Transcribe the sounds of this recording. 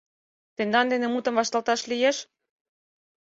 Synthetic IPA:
t̪end̪ɑnd̪enĕmut̪ə̆mβɑʃt̪ɑlt̪ɑʃlijeʃ

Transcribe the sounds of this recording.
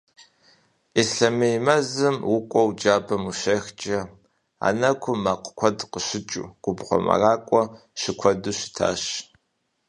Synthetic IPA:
isɬɐmejmɐzɨmwʊkʷʼɔwd͡ʒaːbɐmuʃɐxt͡ʃʼɐ | a̰ːnɐkʷʰʊmaqkʷʰɔdqəɕɪt͡ʃʼṵɡ̥ʷʊbʁʷɔ̰mɐ̰raːkʷʼɔ | ʃɪkʷʰɔduɕɪ̥tʰa̰ːɕ

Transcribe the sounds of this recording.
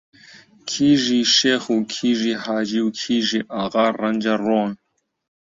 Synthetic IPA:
kʰiːʒiʃeːxuːkʰiːʒihaːd͡ʒiwkʰiːʒiʔaɣaːrɐnd͡ʒaroːn

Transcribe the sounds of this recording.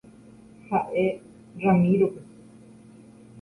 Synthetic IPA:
haʔe | ramĩɾope

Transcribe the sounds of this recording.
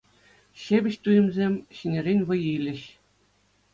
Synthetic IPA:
ɕebʲɘ̆ɕt̪ujɘ̆mzʲemʲɕĭnʲĕɾʲenʲʋɤ̆jilʲɘ̆ɕ

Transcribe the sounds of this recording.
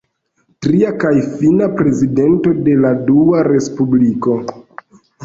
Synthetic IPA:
tɾiakajfinapɾe̞zide̞nto̞de̞laduaɾe̞spubliko̞

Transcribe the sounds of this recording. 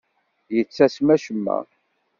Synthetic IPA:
jət͡sːæsmæʃəmːæ̰

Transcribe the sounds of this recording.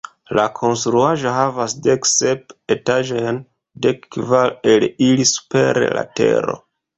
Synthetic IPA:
lakʰo̞nstɾuaʒo̞ɦavasde̞kse̞p̚e̞taʒojn | de̞kːvalelilisu̥pe̞ɾḛla̰te̞̰ɾo̞̰

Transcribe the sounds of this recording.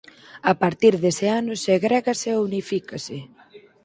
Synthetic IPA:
apaɾt̪iɾðeseanʊseɣɾɛɣaseunifikasɪ

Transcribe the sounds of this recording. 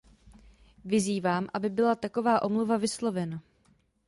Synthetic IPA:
vɪziːvaːmʔabɪbɪlat̪ako̞vaːʔo̞mluvavɪslo̞vɛna

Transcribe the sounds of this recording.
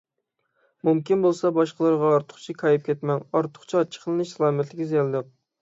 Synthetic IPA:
mumkʲinbolˠsɑbɑʃqəlˠɨɾʁɑɑɾt̪ʰʊ̥χt͡ʃʰikʰɑjip̚kʲʰɛt̪mɛnɑɾt̪ʰʊ̥χt͡ʃʰɑt͡ʃʰə̥χʰəlˠɨnɨʃlˠɑːmɛt̪ʰlɪkʲzɛlˠd̪ɨq̚

